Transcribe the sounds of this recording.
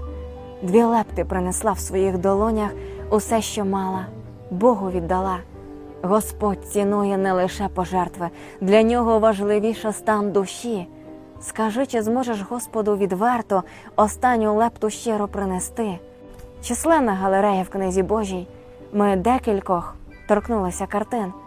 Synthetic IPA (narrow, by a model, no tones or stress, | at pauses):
d̪ʲʋʲilˠɛpt̪ɪpɾɪneslˠɑwsʋɔjiɣd̪ɔlˠɔnʲɐxʊsɛʃt͡ʃɔmɑlˠɐ | bɔɦʊʋʲid̪ːɐlˠɑ | ɣɔspɔdʲt͡sʲinɔjɛnɛlˠɪʃɛpɔʒɛrt̪ʋɪ | d̪lʲɐnʲɔɦɔʋɐʒlˠɪʋʲiʃɐst̪ɑnd̪ʊʃʲi | skɐʒɪt͡ʃɪzmɔʒeʃɦɔspɔd̪ʊʋʲid̪ʋɛrt̪ʊ | ɔst̪ɑnʲːʊlˠɛpt̪ʊʃt͡ʃɛɾɔpɾɪnest̪ɪ | t͡ʃislˠɛnɐɦɐlˠeɾɛjɐwknɪzʲibɔʒʲij | mɪd̪ɛkʲilʲkɔx | t̪ɔrknulˠɪsʲɐkɐrt̪ɪn